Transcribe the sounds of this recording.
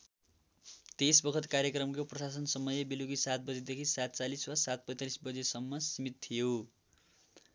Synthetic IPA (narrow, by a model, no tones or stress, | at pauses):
t̪esbʌkʰʌt̪karjʌkrʌmkoprʌsasʌnsʌmʌjebiluɡisat̪̚ʰbʌd͡zed̪ekʰisat̪t͡saliswasat̪̚pʌjt̪alisbʌd͡zesʌmːʌsimit̪t̪ʰijo